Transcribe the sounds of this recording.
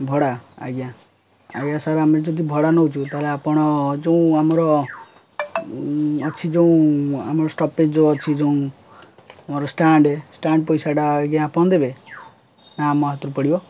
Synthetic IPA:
bʱɔɽaa̰ɡjã | a̰ɡjãsaɾamed͡ʒɔd̪ʱibʱɔɽanɔut͡ʃʰũt̪aleapɔɽ̃ɔd͡ʒeũamɔɾɔ | ɔt͡ʃʰid͡ʒeũa̰mɔɾɔsʈɔped͡ʒɔt͡ʃʰid͡ʒeũ | amɔɾɔsʈaɳɖesʈaɳɖ̚pɔjsaɖaɡjãːpɔɽ̃d̪ebe | namɔɦt̪ɾupɔɽibɔ

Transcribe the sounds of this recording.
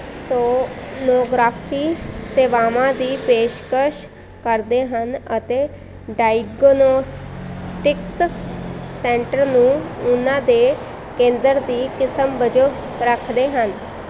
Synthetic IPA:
soːnoːɡɾaːpʰiːseːʋaːmãːd̪iːpeːʃkəʃ | kəɾd̪eːɦənət̪eː | ɖaːiɡnoːssʈɪks | sɛ̃ːɳʈəɾnũːʊnãːd̪eː | kẽːnd̪əɾd̪iːkɪsəmbəd͡ʒoː | ɾəkʰd̪eːɦən

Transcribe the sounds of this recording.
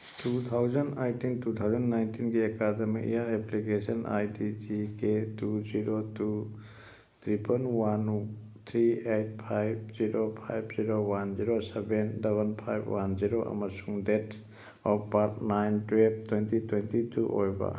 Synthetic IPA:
tut̪ʰawzɐnajtintut̪ʰawzɐnːajntʰinɡiekademḭkḭjaɾeplikesɐnʔa̰jtid͡ʒiketuziɾotu | t̪ʰɾipʰɐnwan | t̪ʰɾiejt̚pʰajb̚ziɾopʰa̰jbziɾowanziɾosebendebɐnpʰajbʰwʔanziɾoʔɐ̰mɐsuŋdet | ɔpaɾtnajntwep̚twentitwentitʰuʔo̰jba̰

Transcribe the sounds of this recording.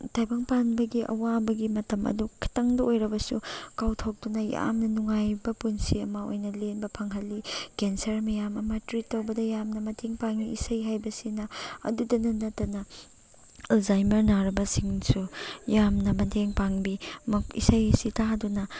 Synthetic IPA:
tʰajbɐŋpanbɐɡiʔɐ̰wabɐɡimɐtɐmɐ̰dukʰi̥tɐŋdɐojɾɐbɐsṵkawtʰawk̚dunɐja̰mnɐnuŋajbɐpunsiɐmɐo̰jnɐlenbɐpʰɐŋɦɐlːikensɐɾmɐjamɐmɐtɾitːɐwbɐdɐjamnɐmɐntʰeŋpaŋiisɐjɦajbɐsinɐɐ̰dudɐnɐnɐtːɐnɐ | elzajmɐɾnaɾɐbɐsiŋsujamnɐmɐntʰeŋpaŋbimɐkḭsɐjsitadunɐ

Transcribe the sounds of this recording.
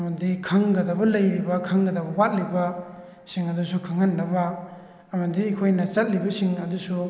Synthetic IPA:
ɐmɐdikʰɐŋɡɐdɐbɐlɐjɾibɐkʰɐŋɡɐdɐbɐwat̚libɐ | siŋɐdusukʰɐŋɐnːɐbɐ | ɐmɐdiɐkʰojnɐt͡ʃɐt̚libɐsiŋɐdusu

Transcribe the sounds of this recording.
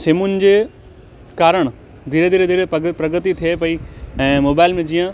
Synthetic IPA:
seːmʊnd͡ʑeː | kaːɾəɽ̃ | d̪ʱiːɾed̪ʱiːɾed̪ʱiːɾepɐpɾɐɡət̪it̪ʰijepɐiɛ̃ːmoːbaːɪlmẽd͡ʑijə̃

